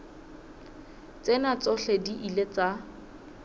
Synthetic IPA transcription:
t͡senat͡sɔɬɛdiʔilet͡sa

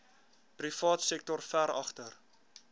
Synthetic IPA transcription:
prifɑːtsɛk̚tɔrfæɾɐ̰χtər

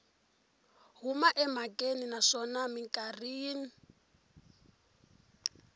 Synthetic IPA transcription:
ɦumaʔɛmakʼeninaʂɔnamiŋkʼariːni

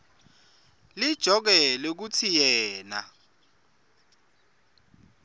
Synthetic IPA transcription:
lid̥ʒ̥ʱɔk̬ɛlɛk̬ut͡sʰijɛːna̰

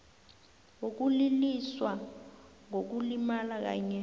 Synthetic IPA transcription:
wok̬uliliswa | ŋok̬ulimalak̬a̰ːɲɛ

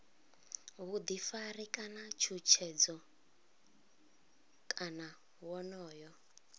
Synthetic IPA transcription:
βud̪ifarikʼanat͡ʃʰut͡ʃʰɛd͡zɔ | kʼana | wɔnɔːjɔ

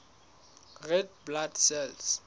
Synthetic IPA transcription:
rɛd̚bladsɛls

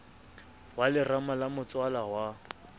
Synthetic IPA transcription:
walɪramalamʊt͡sʼwalaɦwa

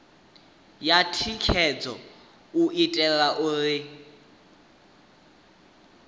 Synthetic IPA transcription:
jatʰikʰɛd͡zɔ̰ | uʔitʼɛɺaʔuɺɪ

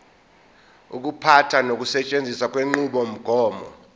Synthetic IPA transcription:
ṵk̬upʰatʰanok̬ʼusɛt͡ʃʼend͡zʱisak̬ʼweŋ͡ǃuɓɔm̩ɡ̥ʱɔːmɔ̰

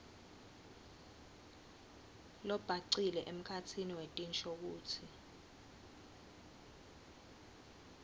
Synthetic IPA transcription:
lɔb̥ʱaǀilɛʔem̩kʰatʰiniwetʼint͡ʃʼok̬uːtʰi

